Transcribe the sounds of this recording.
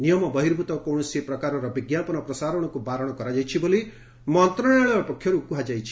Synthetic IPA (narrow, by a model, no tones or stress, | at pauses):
nijɔmɔbʌɦiɾbʱut̪ɔkowɳ̃ɔsepɾʌkaɾɔɾɔbiɡjapɔnɔpɾɔsaɾɔɽ̃ɔkubaɾɔɽ̃ɔkɔɾad͡ʒajt͡ʃʰibole | mɔnt̪ɾɔaɭ̃ɔpɔkʰjɔɾukuɦad͡ʒajt͡ʃʰi̥